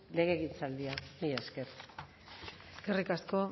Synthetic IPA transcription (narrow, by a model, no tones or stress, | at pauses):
le̞ɣe̞ːɣint͡sald̪ianieske̞r | eskerikasko̞